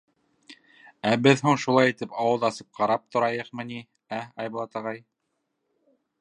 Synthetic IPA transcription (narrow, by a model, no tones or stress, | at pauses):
æbɘðɦuɴʃulˠɑjit̪ɘpɑwɤðˠɑsɤp̚qʰɑɾɑp̚t̪ŏɾɑjɤqmɤ̆ni | æɑjbɤ̆lˠɑt̪ɑʁɑj